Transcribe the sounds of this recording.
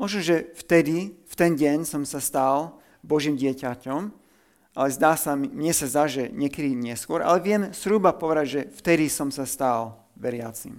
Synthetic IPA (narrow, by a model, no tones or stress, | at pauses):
mɔʒnɔʒɛft̪ɛd̪ift̪ɛnɟɛɲsɔmsast̪al | bɔʒimɟɪɛcacɔm | ʔalɛzd̪aːsamiɲɪɛsazd̪aʒɛɲɪɛkɛd̪iɲɪɛskʊɔɾʔa̰lɛʋɪɛmzɾubapɔʋɛd̪aɟʒɛft̪ɛd̪isɔmsast̪al | ʋɛɾɪa̰t͡sḭm